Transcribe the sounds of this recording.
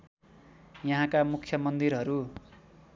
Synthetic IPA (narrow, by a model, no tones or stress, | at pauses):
jʌɦãkamukʰːjʌmʌnd̪iɾɦʌɾu